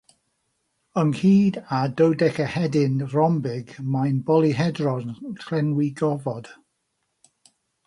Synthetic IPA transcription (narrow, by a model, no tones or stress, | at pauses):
əŋhiːdadəwdɛkəhɛdɪnrɔmbɪɡmajnbɔlˠiɦɛdrɔnkʰrɛnwiɡɔvɔd̥